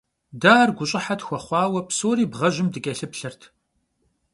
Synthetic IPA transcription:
daːrɡʷʊɕʼɪħatxʷɔχʷɑːwɐpsoːɾiːbʁɐʒɪmdɨkʲʼɐɬɨpɬɐrtʰ

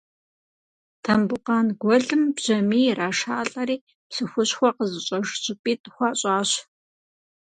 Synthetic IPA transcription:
tʰɐmbʊqɑːnɡʷɔɮɨmbʑ̥ɐmiːraːʂaːɬʼɐɾiː | pɬɨxʷʊɕxʷɔqəzɨɕʼɐʂɕʼɪpʼiːtʼxʷɑːɕʼaːɕ

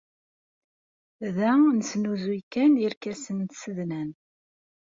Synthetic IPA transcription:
ðænsnuzikæniɾkæsənt̪səðnæn

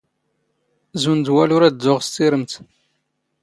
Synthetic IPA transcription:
zund̪wælʊɾæd̪ːʊʁst̪ːiɾəmt̪

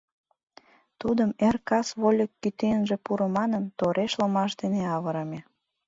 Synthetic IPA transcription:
t̪ud̪əmerkɑsβolʲəkːyt̪enʒepuɾə̆mɑnənt̪oɾeʃləmɑʃd̪eneɑβəɾəmʲe

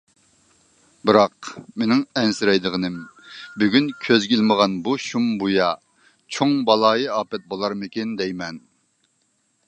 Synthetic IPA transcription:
bɨɾɑqmenɪŋɛnsɪɾɛjd̪əʁənɨmbyɡʲynkʲʰøzɡʲilməʁɑnbuʃumbujɑ | t͡ʃʰoŋbɑlˠɑːjɨɑːpɛt̪̚bolˠɑɾmɪkʲɪnd̪ɛjmɛn

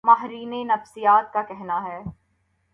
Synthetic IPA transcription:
maːɦɾiːnenɐfsijaːt̪̚kakɛɦnaɦɛː

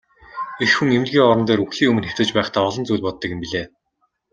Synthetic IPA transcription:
exxuŋem̆ɮɡʲiːŋɔɾɞ̆nt̪eːɾuxɮiːŋɵmɘ̆nxæt̪ɘ̆t͡ɕpæːχt̪ʰaːɔɮɞ̆nt͡sujɮʲpɔt̪ːə̆kɪ̆mpiɮeː

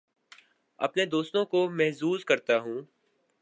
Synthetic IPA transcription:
ɐ̰pned̪oːst̪õkomɛɦzuːzkɐɾt̪aɦũː

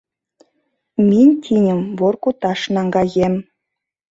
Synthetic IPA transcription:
mʲenʲt̪ʲʰinʲə̆mβorkut̪ɑʃnɑŋɡɑjem

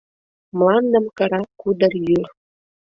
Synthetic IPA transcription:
mlɑnd̪əmkəɾɑkud̪ərjyr

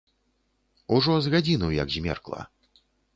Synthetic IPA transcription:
uʐɔzɣad͡zʲinɐwjɐ̰kzʲmʲɛ̰rklˠɐ̰

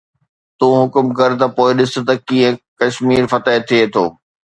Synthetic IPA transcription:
t̪ũːɦʊkʊmkɐɾt̪̬ɐpoːɪɗɪsʊ̆t̪ɐkĩːɦə̃kɐʃmiːɾfɐt̪əɪt̪ʰiet̪ʰoː

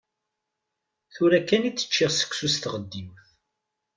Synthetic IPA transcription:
θuɾækːænit͡sːə̥t͡ʃːɪʁsə̥ksust̪ʁəd̪ːimθ

